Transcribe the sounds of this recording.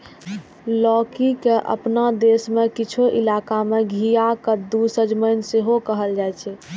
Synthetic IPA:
lɔkikeʔə̰pnad̪esmekit͡ʃʰoʔilakameɡʱijakəd̪usəd͡ʒməɪnseɦokəɦəld͡ʒajt͡ʃʰɛ

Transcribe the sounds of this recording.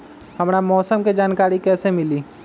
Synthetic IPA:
hɐmɾamɔːsəmked͡ʒaːnkaːɾikɛːsemɪliː

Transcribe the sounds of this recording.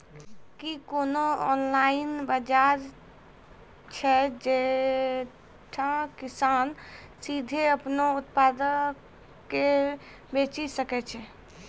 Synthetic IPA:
kikonoɔnlainbəd͡ʒaɾ | t͡ʃʰɛd͡ʒe | ʈʰãkisansid̪ʱeəpnout̪pad̪əː | e | bet͡ʃisəkɛt͡ʃʰɛ

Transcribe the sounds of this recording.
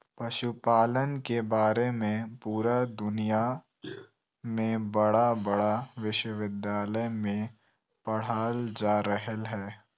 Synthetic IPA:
pɐʃupaːlənkebaːɾemẽpuːɾad̪ʊnija | mẽbɐɽabɐɽaʋɪʃwəʋɪd̪jaːləjmẽ | pɐɽ̤aːld͡ʒaːɾəɦəlɦɛː

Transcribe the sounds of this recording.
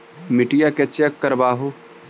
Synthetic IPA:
mɪʈijaket͡ʃekːəɾbaːɦu

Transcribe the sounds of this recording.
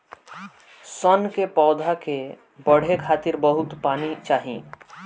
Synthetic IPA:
sənkepɔːd̪ʱake | bəɽ̤ekʰaːt̪iɾbəɦʊt̪paːnit͡ʃaːɦḭ̃

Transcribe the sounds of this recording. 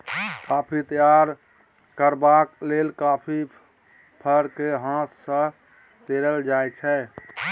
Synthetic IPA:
kapʰit̪əjaɾ | kəɾbaklelkapʰi | pʰəɾkeɦãt̪sə̃ | t̪eɾəld͡ʒajt͡ʃʰɛ

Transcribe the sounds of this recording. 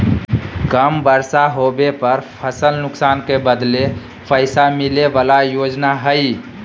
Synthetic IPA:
kəmbəɾsaɦobepəɾpʰəsəlnʊksankebəd̪le | pʰəɪsamilebalajod͡ʒnaɦəj

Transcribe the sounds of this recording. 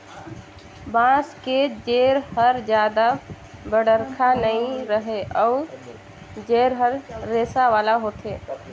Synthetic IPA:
bãːsked͡ʒeːɾhəɾd͡ʒjaːd̪a | bəɽəɾkʰanəĩɾəɦeʔɔː | d͡ʒeːɾɦəɾːeːsaʋaːlaɦoːt̪ʰeː

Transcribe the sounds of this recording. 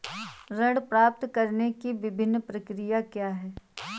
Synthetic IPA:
ɾɐɽpɾaːp̚t̪kɐɾnekiʋɪbʱɪnːpɾɐkɾɪjakjaːɦɛː

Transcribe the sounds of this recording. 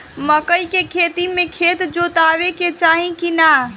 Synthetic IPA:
məkəjkekʰet̪imekʰet̪d͡ʒot̪abeket͡ʃaɦĩkina

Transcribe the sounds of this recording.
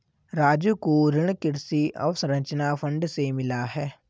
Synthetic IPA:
ɾaːd͡ʒjukoɾɪɽ̃kɪɾsiɔ̰ːsɾə̃ɲt͡ʃnafʰə̃ɳɖsemɪlaɦɛː

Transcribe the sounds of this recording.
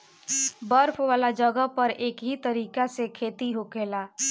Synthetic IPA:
bəɾpʰʋaːlad͡ʒəɡəpəɾeːkɦit̪əɾiːkasekʰet̪iɦokela

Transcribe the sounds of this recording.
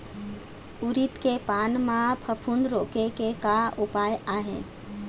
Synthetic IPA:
uɾit̪kepaːnmãpʰəpʰunɾokekekaupaːjaːɦḛ̃

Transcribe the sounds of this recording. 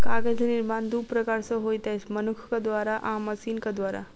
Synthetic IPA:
kaɡəd͡zəniɾmand̪ʱupɾəkaɾsɔɦojt̪asmənukʰkad̪ʋaɾaʔãməsiːnkad̪ʋaɾa̰

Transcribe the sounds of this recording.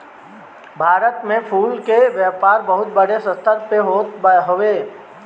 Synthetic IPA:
bʱaːɾət̪mẽpʰuːlkeʋjɛːpaːɾbəɦʊt̪̚bəɽesə̃st̪ʰət̪peɦot̪ɦoeː

